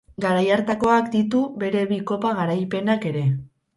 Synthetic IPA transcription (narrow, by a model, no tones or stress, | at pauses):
ɡaɾajaɾt̪ako̞akd̪it̪uβe̞ɾe̞βiko̞paɣaɾajpe̞nake̞ɾe̞